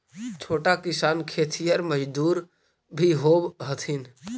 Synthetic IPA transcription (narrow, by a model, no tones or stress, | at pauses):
t͡ʃʰoːʈakɪsaːnkʰeːt̪ʰijəɾməd͡ʒd̪uːɾ | bʱiɦoːbɦət̪ʰɪn